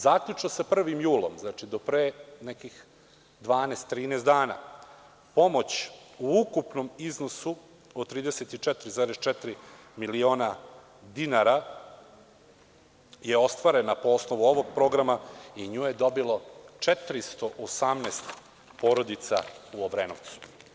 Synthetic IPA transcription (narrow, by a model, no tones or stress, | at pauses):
zaːkʎʲut͡ʃnosapr̩ʋimjuːlo̞̰mznat͡ʃid̪o̞pɾenɛkix | d̪ʋaːnest̪ːɾiːneːst̪d̪aːna̰ | po̞mo̞t͡ɕuukupnomiznosu | od̪t̪ːɾiːd̪eset̪it͡ʃɛt̪ɾizaːɾest͡ʃɛt̪ɾi | milio̞ːna | d̪inaɾa | jeo̞st̪ʋaɾenapoosnoʋuo̞ʋo̞ɡ̚pɾo̞ɡɾamaiɲuːjed̪o̞bilo̞t͡ʂɛt̪ɾist̪o̞ʔosamneːst̪ | po̞ːɾod̪it̪sa̰uoʋɾeːnoʋt̪su̥